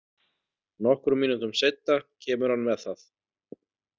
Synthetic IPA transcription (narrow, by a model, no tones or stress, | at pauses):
nɔhkɾʏmiːnʏnt̪ʏmsejt̪ːacʰɛːmʏɾ̥hanːmɛðθaθ